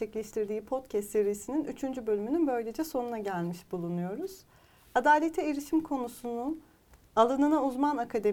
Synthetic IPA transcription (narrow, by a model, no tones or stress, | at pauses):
ɛclʲeʃt̪ʰiɾd̪iːpʰo̞t̪cʰæst̪se̞ɾijisininyt͡ʃʰynd͡ʒybø̞lʲymynynbø̞jlʲe̞d͡ʒɛso̞nunaɟælʲmiʃbulˠunujo̞ɾuz̥ | ad̪aːlʲet̪ʰɛeɾiʃimkʰo̞nusunun | alˠɯnɯnauzmanakʰad̪e̞